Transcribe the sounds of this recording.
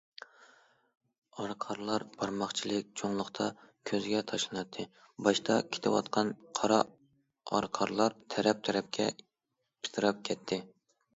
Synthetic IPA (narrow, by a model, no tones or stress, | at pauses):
ɑɾqʰɑɾlˠɑɾb̥ɑɾmɑχt͡ʃʰilˠɪk̚ʲt͡ʃʰoŋlˠʊχt̪ʰɑkʲʰøzɡʲɛt̪ʰɑʃlˠɨnɑt̪ʰːɨ | bɑʃt̪ʰɑkʲʰe̥t̪ʰɪwɑ̰t̪qʰɑnqʰɑɾɑ | ɑ̰ɾqʰɑɾlˠɑɾt̪ʰɛɾɛp̚t̪ʰɛɾɛp̚kʲʰɛ̰ | pʰi̥t̪ʰɨɾɑp̚kʲʰɛt̪ʰːɪ